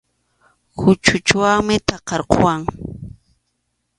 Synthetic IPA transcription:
hʊt͡ʃʊt͡ʃwaŋmɪt̪ɑqɑɾqo̰waŋ

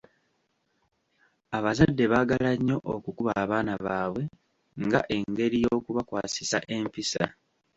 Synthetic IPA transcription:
aβazadːe̞βaːɡalaɲːo̞ʔokukuβaːβaːnaβaːβwe̞ | ŋɡaʔe̞ŋɡe̞ɾijoːkuβakwaːsisa̰ʔe̞mpisa̰

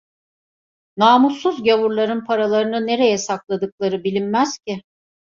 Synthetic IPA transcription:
naːmusːuzɟavuɾlˠaɾɯnpʰaɾalˠaɾɯnɯne̞ɾe̞jɛsaklˠad̪ɯklˠaɾɯbilʲinmæz̥cɪ

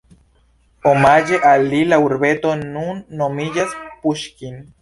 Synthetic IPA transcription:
omad͡ʒeʔalilauɾbet̪onunːomiʎaspuʃkin

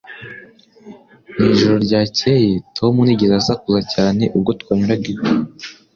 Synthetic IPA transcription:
niːʒoɾo̞ɾɟaːce̞jitʰo̞muniɟezazakuzacaːne̞ʔub̚ɡo̞twaːɲuɾaɡio

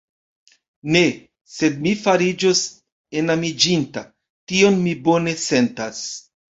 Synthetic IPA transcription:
ne̞ | se̞dmifaɾid͡ʒos | e̞namid͡ʒinta | tio̞nmibo̞ne̞se̞ntas

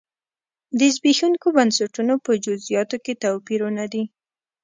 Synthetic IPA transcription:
d̪əzbixuŋkobansaʈunopəd͡ʒʊzijɑt̪oket̪awpiɾunad̪i

